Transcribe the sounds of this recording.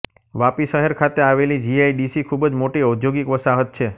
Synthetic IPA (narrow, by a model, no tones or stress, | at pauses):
ʋapiʃəɦeɾkʰat̪eaʋelid͡ʒiajɖisikʰubəd͡ʒmoʈiəd̪joɡikʋəsaɦət̪̚t͡ʃʰe